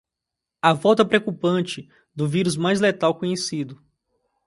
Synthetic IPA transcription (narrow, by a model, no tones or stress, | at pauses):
ɐvɔwt̪ɐpɾeokupɐ̃nt͡ʃɪ | d̪ʊviɾuzmajzlet̪awkõɲesid̪ʊ